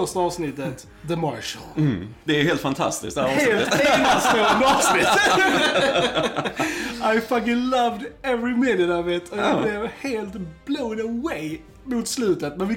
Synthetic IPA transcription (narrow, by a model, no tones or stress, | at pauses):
œʂʈaɑːvsnɪt̪ːət̪ | ðəmɑ̰ɹʃə̰lˠd̪ɛɾheːlt̪fant̪ʰa̰st̪ɪ̰sk̚d̪heːlt̪ɛnsoɔnd̪ɑːvsnɪt̪ | aɪfʌk̬ɪlʌvd̪ɛvɹɪmɪnɪnɑvɪt̪ʰɔjɑblɪvheːlt̪b̥loːd̪əwɛː | mʊt̪slʉ̟ːt̪ət̪mɛnvɪ